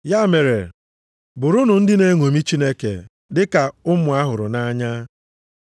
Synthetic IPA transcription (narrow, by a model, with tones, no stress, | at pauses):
ja˦˨me˨ɾe˨ | bʊ˨ɾʊ˦nʊ˨n̩˦dɪ˦ne˦ŋo˨mi˦t͡ʃi˦ne˦kḛ˨ | dɪ˦ka˨ʊ˦mʊ˨a˦ɦʊ˨ɾʊ̰˨na˦ɲa˦